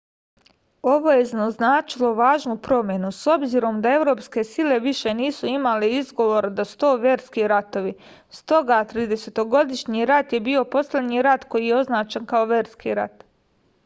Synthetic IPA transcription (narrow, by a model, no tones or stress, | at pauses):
o̞ʋo̞je̞znaznaːt͡ʃilo̞ʋaːʒnupɾo̞mje̞nuso̞bziɾo̞md̪ae̞ʋɾo̞ːpske̞sile̞ʋiʃe̞niːsuimaleizɡo̞ʋo̞ɾad̪asu̥t̪o̞ːʋjeːɾskiɾat̪o̞ʋi | st̪o̞ɡat̪ɾiːd̪e̞set̪o̞ɡo̞d̪iʃɲiɾat̪je̞bio̞po̞slʲe̞d̪ɲiɾat̪ko̞jijeo̞znaːt͡ʃankao̞ʋje̞ːɾskḭɾa̰t̪